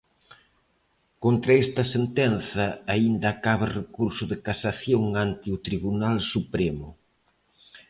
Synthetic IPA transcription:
kont̪ɾɐɛst̪ɐsent̪ɛnθɐaind̪ɐːkaβɪrekuɾsʊðɪkasaθjoŋant̪ɪʊt̪ɾiβunalsupɾemʊ̰

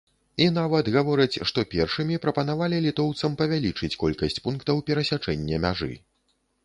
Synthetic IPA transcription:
inavɐd̪ɣavɔɾɐt͡sʲʂt̪ɔpʲɛrʂɨmʲipɾɐpɐn̪avalʲilʲit̪ɔwt̪sɐmpɐvʲalʲit͡ʂɨt͡sʲkɔlʲkɐsʲt͡sʲpunkt̪ɐwpʲɛɾɐsʲat͡ʂɛnʲːɐmʲa̰ʐɨ̰

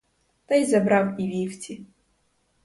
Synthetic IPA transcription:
t̪ajzɐbɾawivʲiftʲʰi

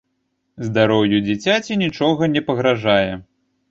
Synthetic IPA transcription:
zd̪aɾɔwjud͡zʲit͡sʲat͡sʲinʲit͡ʂɔɣɐnʲɛpɐɣɾaʐajɛ

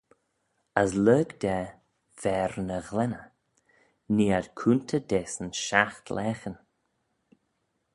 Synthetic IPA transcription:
əsləːɡd̪ɛ | v̥ɛːɾnəɣlɛnə | niːad̪̥kʰuːnt̪ʰəd̪eːsənʃaxt̪ʰlʔɛːxən

